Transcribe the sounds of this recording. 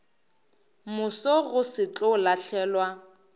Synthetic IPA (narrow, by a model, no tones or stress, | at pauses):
mʊsɔɣʊsɪt͡ɬʼɔlaɬʰɛːlwa